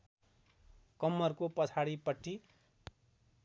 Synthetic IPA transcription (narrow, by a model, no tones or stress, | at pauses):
kʌmːʌrkopʌt͡sʰaɽipʌʈːi